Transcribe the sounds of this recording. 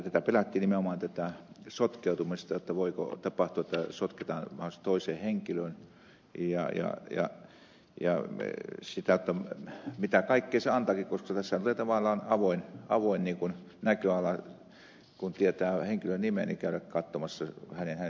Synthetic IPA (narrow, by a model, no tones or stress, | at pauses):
t̪æt̪æpelæt̪ːiːnimeomɑːˑnt̪æt̪æsot̪keˑut̪umist̪ɑjot̪ːɑʋoiko̰t̪ɑpɑht̪uɑet̪ːæsot̪ket̪ɑːnʋɑhost̪oiseːheŋkiløn | jɑ̰jɑ̰jɑ̰ | jɑ̰ | sit̪æjot̪ːɑmit̪ækɑikːeːseɑnt̪ɑːkikkoskɑt̪æsːæt̪uleːˑt̪ɑʋɑlːˑɑːnɑʋoinɑʋoinniːkunnækøɑlːˑɑ | kunt̪iet̪æːheŋkilønnimenikæˑyɾækkɑt̪ːomɑsːɑhænenhæn